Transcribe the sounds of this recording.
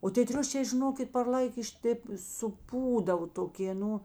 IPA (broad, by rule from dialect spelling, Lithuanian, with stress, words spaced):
oː tʲeː ˈtʲrʲʊʃʲeː ʒʲɪˈnoːkʲɪt pɐr ˈlˠɐɪk ɪʃ ˈtʲeːp sʊˈpuːdɐʋoː toːˈkʲeː ˈnʊ